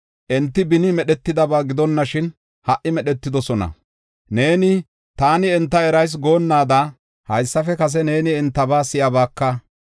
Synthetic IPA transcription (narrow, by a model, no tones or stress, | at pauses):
ʔɛnt̪ːɪbɪnɪmɛɗɛt̪ːɪd̪ɐbaːɡɪd̪ɔnːɐʃɪn | hɐʔɪmɛɗɛt̪ːɪd̪ɔsɔnɐ̰ | ne̞ːnɪ | t̪aːnɪɛnt̪ːɐɛɾɐjs̬ɡo̞ːnːaːd̪aː | hɐjsːɐfɛkɐs̬ɛne̞ːnɪɛnt̪ːɐbaːsɪjɐbaːkːɐ